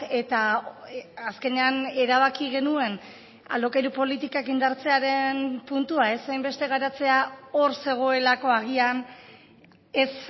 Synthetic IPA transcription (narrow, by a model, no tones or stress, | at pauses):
e̞t̪aː | ske̞ne̞ane̞ɾaβ̞akiɣe̞nue̞n | a̰lo̞kejɾupo̞lit̪ikakind̪aɾt͡se̞aɾe̞npunt̪uae̞sajmbe̞st̪e̞ɣ̞aɾat͡se̞ao̞ɾse̞ɣ̞o̞e̞lako̞aɣian | es